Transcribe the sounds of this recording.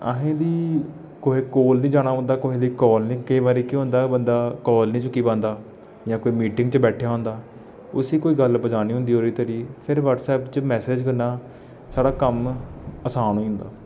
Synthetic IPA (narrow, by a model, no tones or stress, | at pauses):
ə̰ɦẽːd̪iː | koːɦeːkoːlnĩːd͡ʒaːɽ̃aːɦʊ̃nd̪aːkoːɦẽːd̪iːkɔːlnĩːkəiːbaːɾiːkiːɦʊ̃ːnd̪aːbənd̪aːkɔːlnĩːt͡ʃʊkːiːbãːnd̪aː | jãːkoːiːmiːʈɪ̃ŋɡt͡ʃbɛːʈʰjaːɦõːnd̪aː | ʊsiːkoːiːɡəlbəd͡ʒaːniːɦʊ̃nd̪iːɦoːɾiːt̪əɾiːpʰɪɾʋəʈsɛːpt͡ʃmɛːseːd͡ʒkəɾnaː | saːɽaːkəməsaːnoːiːɦʊ̃nd̪aː